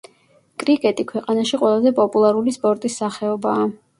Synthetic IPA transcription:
kʼɾikʼɛt̪ʼikʰwɛqʼanaʃiqʼwɛlˠazɛpʼɔpʼulˠaɾulispʼɔɾt̪ʼisːaχɛɔbaː

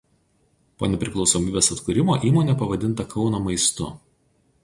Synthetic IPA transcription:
poːnʲɛpʲɾʲɪklˠɒʊsoːmʲiːbʲeːsɐt̪kʊɾʲɪmoːʔiːmoːnʲeːpɐʋɐd̪ʲɪnˑt̪ɐkɒʊnoːmɐɪst̪ʊ̰

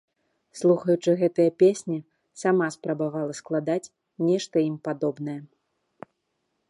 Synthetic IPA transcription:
slˠuxɐjut͡ʂɨɣɛt̪ɐjɐpʲesʲnʲi | samaspɾɐbavalˠɐsklˠad̪at͡sʲ | nʲɛʂt̪ɐimpad̪ɔbnɐjɛ

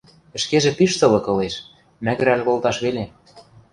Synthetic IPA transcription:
ɘ̆ʃkeʒĕpiʃt̪ɤ̆lɤ̆kɤ̆leʃ | mæ̆ɣɘ̆ɾælʲɣolt̪ɑʃβele

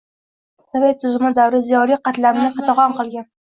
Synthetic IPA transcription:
savajt̪ʰʊzɪmɪd̪awɾɪzijɒɾijqɑt̪lanɪqɑt̪ɑʁɒnqɨlˠɡʲan

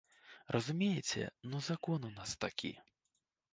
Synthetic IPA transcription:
rʔɐzumʲejɛt͡sʲɛ̰nuzakɔnunast̪akʲʰḭ

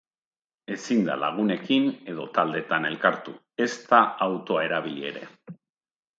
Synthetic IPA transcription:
e̞sind̪a̰la̰ɣ̞une̞kine̞ð̞o̞t̪ald̪e̞t̪ane̞lkaɾt̪u | e̞st̪aawt̪o̞ae̞ɾaβ̞ilie̞̰ɾe̞̰

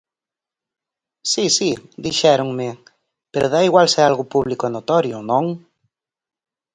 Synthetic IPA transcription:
sisid̪iʃɛɾʊŋmɪ | peɾʔʊðaiɣwalsealɣʊpuβlikʊenot̪ɔɾjʊnõŋ

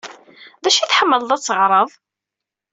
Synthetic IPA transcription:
ðæʃiθħəmːəlðˤæt͡sːəʁɾˤəðˤ

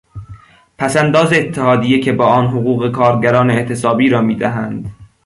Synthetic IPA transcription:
pʰæsænd̪ɒːzeːt̪ʰːehɒːd̪ijecʰe̞bɒːʔɒːnɦoɣuːɣe̞kʰɒːɾɟæɾɒːneːʔt̪ʰe̞sɒːbiːɾɒːmiːd̪æɦænd̪̥

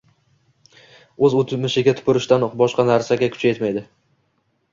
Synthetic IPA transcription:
ɵzot̪ʰmɪʃɪɡʲat̪ʰʊ̥pʰʊɾɪʃt̪anbɒʃqɑnaɾsaɡʲakʰʊ̥t͡ʃʰaje̞t̪majd̪ɪ

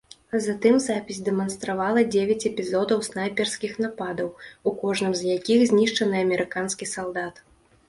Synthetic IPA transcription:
zat̪ɨmzapʲisʲd̪ɛmɐnst̪ɾavalˠɐd͡zʲevʲat͡sʲɛpʲizɔd̪ɐwsnajpʲɛrskʲixn̪apad̪ɐwukɔʐnɨmzjakʲixzʲnʲiʂt͡ʂɐnɨɐmʲɛɾɨkanskʲisalˠd̪at̪

